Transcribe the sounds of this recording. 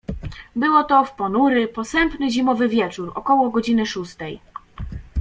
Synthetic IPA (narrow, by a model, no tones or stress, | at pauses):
bɘwɔt̪ɔfpɔnuɾɘpɔsɛmpnɘʑimɔvɘvʲjɛt͡ʂuɾɔ̰kɔwɔɡɔd͡ʑinɘʂust̪ɛj